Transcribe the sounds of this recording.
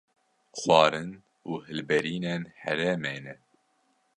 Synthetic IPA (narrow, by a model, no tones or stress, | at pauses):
xwɑːɾɨn | uːhɨlbɛɾiːnenhɛ̰ɾeːmeːnɛ